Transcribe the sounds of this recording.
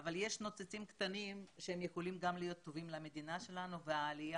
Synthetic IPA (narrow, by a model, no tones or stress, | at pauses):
avalje̞ʃno̞t͡set͡simkt̪animʃehemjexo̞limɡamlijo̞t̪ːo̞vimleame̞d̪inaʃe̞lanuveaːlija